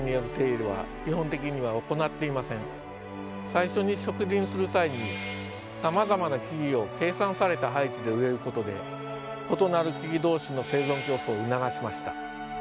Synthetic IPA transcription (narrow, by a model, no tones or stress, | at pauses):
ɲ̟ijoɾɯ̟t̪e̞ːɾɯ̟βa̰kʲiɦõ̞nt̪e̞kʲiɲ̟iβao̞ko̞nat̪ːe̞imasẽ̞ɴ | saiɕo̞ɲ̟iɕo̞kɯ̟dʲĩɰ̃sɨɾɯ̟saiɲ̟i | samazamanakʲiɡʲio̞ke̞ːsãɰ̃saɾe̞t̪aɦait͡ɕid̪e̞ɯ̟e̞ɾɯ̟ko̞t̪o̞d̪e̞̰ | o̞t̪o̞naɾɯ̟kʲiɡʲid̪o̞ːɕino̞se̞ːzõ̞ŋkʲo̞ːsoːɯ̟naɡaɕimaɕi̥t̪ḁ